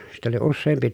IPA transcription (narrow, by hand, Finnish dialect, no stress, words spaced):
sit oli usːeːmpi